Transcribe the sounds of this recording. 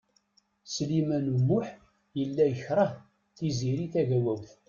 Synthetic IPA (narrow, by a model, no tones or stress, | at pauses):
slimænumːʊħ | jəlːæjəçɾˤə | θiziɾiθæʝæwæwθ